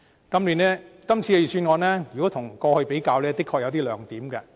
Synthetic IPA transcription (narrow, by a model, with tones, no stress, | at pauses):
kɐ˥mliː˨˧nlɛː˥kɐ˥mt͡sʰiː˨˧le˨˧jsyː˧nŋɔː˨˧nɛː˥jy˨kɔ˨˥t̪ʰʊ˨˩ŋkɔː˧hɵ˧ɥpe˨˥jkaː˧wlɛː˥t̪ɪ˥kʰːɔː˧k̚jɐ˨˧t̪iː˥lœː˨ŋt̪iː˨˥mkɐ˧